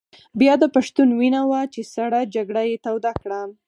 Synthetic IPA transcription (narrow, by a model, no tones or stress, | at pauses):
bjɑd̪əpaʃt̪unwinawat͡ʃesaɽad͡ʒaɡɽajet̪awd̪akɽa